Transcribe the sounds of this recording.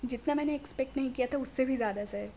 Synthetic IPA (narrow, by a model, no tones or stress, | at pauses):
d͡ʒɪt̪namɛ̃ːneːkspɛk̚ʈnɐɦĩkijat̪ʰaʊsːebʱizjaːd̪asɐɛ